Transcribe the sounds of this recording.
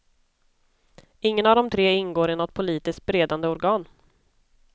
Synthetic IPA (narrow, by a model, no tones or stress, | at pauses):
ɪŋːənavd̪ɔmt̪ʰɾeːɪnɡoːɾɪnɔt̪̚pʰʊliːt̪ɪskt̪̚bɾeːd̪and̪əɔɾɡɑːn